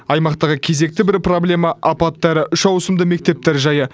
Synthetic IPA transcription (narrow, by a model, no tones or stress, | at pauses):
ɑjmɑqt̪ɑʁəkʲʰe̞ze̞k̚t̪ɪbɪɾpro̞blʲe̞mɑʔːpɑt̪ːɑɾəʔʏʃɑwsəmd̪əme̞k̚t̪e̞p̚t̪eɾʒɑjə